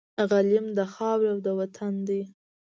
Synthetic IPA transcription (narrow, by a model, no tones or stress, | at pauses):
ɣalɪmd̪əxɑwiawd̪əwat̪ʰand̪əj